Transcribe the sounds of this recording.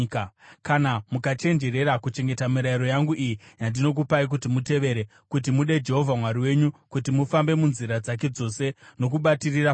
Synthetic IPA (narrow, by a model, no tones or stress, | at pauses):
kkanamukat͡ʃe̞nd͡ʒe̞ɾe̞ɾakut͡ʃe̞ŋɡe̞tamiɾaiɾo̞jaŋɡuʔijijandino̞k̬upaik̬utimute̞ʋe̞ɾe | kut̬imuɗe̞d͡ʒe̞ɦo̞vʱamwaɾiwe̞ɲukutimufambe̞munziɾad͡zak̬e̞d͡zo̞se̞no̞k̬uɓatirira